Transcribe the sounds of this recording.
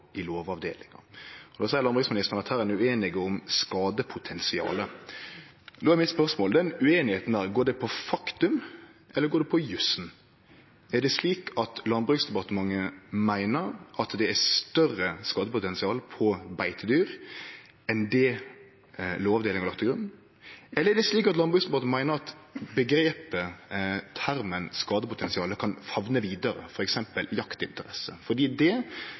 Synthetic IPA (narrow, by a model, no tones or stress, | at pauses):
ɪloːʋɑʋd̪eːlɪŋɑ̰ɔd̪ɑːsæɪəlɑnbʁʉksmɪnɪsəʁnɑt̪hæːɾɛnʉeːnɪɡəɔmskɑːd̪əpʰʊt̪ʰɛnsɪɑ̰ːlə | d̪oːæɾmɪt̪spœʁsmoːld̪ɛnʉeːnɪheːt̪n̩æːɾɡoːɖɛpʰɔfɑkt̪ʉm | ʔɛlːəɾɡoːɖ̪ɛpʰɔjʉsn̩ | ædɛsliːkɑt̪lɑnbʁʉksd̪ɛpɑt̪əmɑŋːəmæɪnəɾʔɑt̪d̪ɛæst̪œrəskɑːd̪əpʊt̪ɛnsɪɑːlpʰɔbæɪt̪əd̪yːɾ | ɛnd̪ɛ | loːɑʋd̪eːlɪŋɑlɑkt̪ʰːəɡɾʉn | ʔɛlːəɾɛɖ̪ɛsliːkɑt̪lɑnbʁʉksd̪ɛpɑt̪əmæɪnəɾɑt̪bəɡɾeːpət̪ʰæɾmənskɑːd̪əpʊt̪ʰɛnsɪɑːləkʰɑnfɑʋnəʋiːd̪əɾə̰fɔɾɛksɛmpəljɑkt̪ɪ̰nt̪əɾɛsəfɔd̪iːd̪ɛ